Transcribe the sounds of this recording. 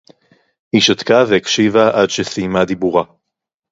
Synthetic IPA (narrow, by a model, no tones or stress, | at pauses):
hiʃat̪kaveekʃivaʔadʃesimad̪ibuʁa